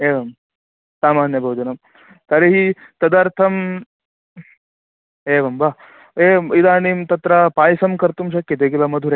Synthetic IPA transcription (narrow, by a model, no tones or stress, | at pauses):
eːʋɐm | saːmaːnjɐbʱɐʋɐd͡ʒɐnɐm | t̪ɐɾeɦi | t̪ɐd̪aɾt̪ʰɐm | eːʋɐmba | eːid̪aːnimt̪ɐt̪ɾɐpaːjsɐmkɐɾt̪umʃɐkjɐt̪eɡilɐmɐd̪ʱuɾe